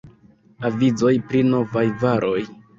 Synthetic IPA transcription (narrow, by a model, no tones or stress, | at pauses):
avizo̞jpɾino̞vajvaɾʔo̞j